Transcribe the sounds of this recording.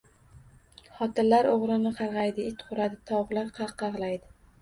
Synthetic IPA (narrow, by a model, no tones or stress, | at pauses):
χɒt̪ʰɪllːaɾoʁɾɪnɪqʰɑɾʁɑjd̪ɪɪt̪qʰʊɾad̪ɪt̪ʰɒwʁlˠɪɾqʰɑqːɑʁlˠajd̪ɪ